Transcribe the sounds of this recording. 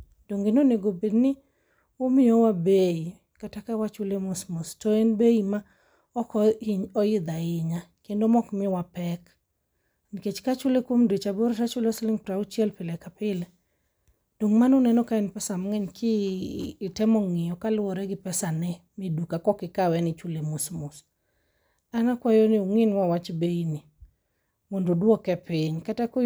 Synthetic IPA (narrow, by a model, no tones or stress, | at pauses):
d̥oŋɡenoneɡobednɪ | omɪowabei | katakawat͡ʃolemosmostɔenbeima | ɔkɔiɲɔɪd̪aɪɲakendomɔkmɪwapɛk | nket͡ʃkat͡ʃʊlekwomdet͡ʃaboɾetat͡ʃʊlɔslɪŋpɾaʊt͡ʃjɛlpɪlɛkapɪl | d̥oŋmanonɛnɔkaɛnpɛsamŋɛɲkʰɪː | tɛmɔŋɪjɔkalwɔɾɛɡɪpɛsanɛmidukakɔkɪkawɛnɪt͡ʃwulemusmus | aŋakwajonɪoŋinwawat͡ʃbeini | mondodwɔkɛpɪɲkatakʊ